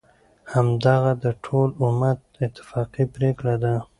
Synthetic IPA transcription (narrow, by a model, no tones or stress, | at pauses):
hamd̪aɣad̪əʈʰolʊmad̪ɪt̪ːɪ̥fɑqipɾeklad̪a